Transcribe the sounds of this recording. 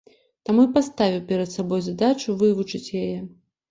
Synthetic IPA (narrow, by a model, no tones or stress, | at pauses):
t̪amuipast̪avʲiwpʲɛɾɐt̪sabɔjzad̪at͡ʂuvɨvut͡ʂɨt͡sʲjajɛ